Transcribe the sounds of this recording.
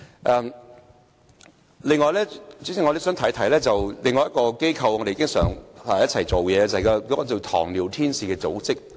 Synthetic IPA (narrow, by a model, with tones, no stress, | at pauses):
ʔɛː˨m | lɪ˨ŋːɔː˨˧jlɛː˥t͡syː˨˥sɪ˨ŋɔ˧de˨˥sœː˨˥ŋt̪ʰɐ˨˥jt̪ʰɐ˨˥jlɛː˥t͡sɐ˨wlɪ˨ŋːɔː˧jɐ˥kɔː˧ke˥jkʰɐ˧wŋɔː˧˥e˨iː˧˦kɪ˥ŋsœ̰ː˨˥ŋaː˨jɐ˥t͡sʰɐ˨˩jt͡so˨wjɛː˨˧t͡sɐ˨kɔ˧kɔː˨˥kɔː˧t͡so˨˩wt̪ʰɔ̰ː˨˩ŋliː˨˩wt̪ʰiː˥nsiː˨kɛː˧t͡so̰˨˥wt͡sɪ˥k̚